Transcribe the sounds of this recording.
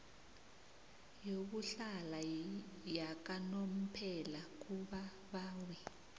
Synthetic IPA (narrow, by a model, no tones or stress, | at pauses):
jok̬uɬalajak̬anom̩pʰɛlak̬uɓa | ɓaːwɛ